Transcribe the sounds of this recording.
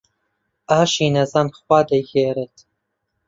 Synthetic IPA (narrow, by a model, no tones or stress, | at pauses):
ʔaːʃiːnɐzɑːnxwɑːd̪ɐɡeːɾeːt̪